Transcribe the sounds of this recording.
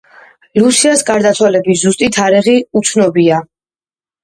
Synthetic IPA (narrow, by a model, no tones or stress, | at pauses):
lusiasɡaɾd̪at̪sʰwalɛbizust̪ʼit̪ʰaɾiʁiut̪sʰnɔbia